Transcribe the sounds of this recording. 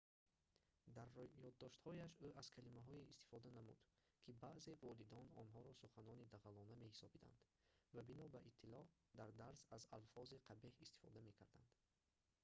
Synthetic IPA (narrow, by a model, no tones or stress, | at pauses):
d̪aɾjɔd̪ːɔʃt̪hɔjaʃuʔaz̥kʰalimaɦɔiist̪i̥fɔd̪anamṵd̪̥ | kʰibaʔze̞vɔlid̪ɔnɔnɦɔɾɔsuχanɔnid̪aʁalɔname̞hisɔbid̪a̰nd̪̥ | vabinɔbæʔit̪ʰːilɔ | d̪aɾd̪aɾsazalfɔziqʰabehist̪i̥fɔ̰d̪ame̞kʰaɾd̪a̰nd̪̥